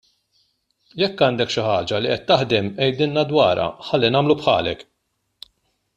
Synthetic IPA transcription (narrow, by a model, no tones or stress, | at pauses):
jɛkːɐːnd̪ɛkʃɪħɐːd͡ʒɐliʔɛt̪ːɐħd̪ɛmɛjd̪ɪnːɐd̪wɐːɾɐ̰ħɐlːinɐːmlupħɐ̰ːlɛk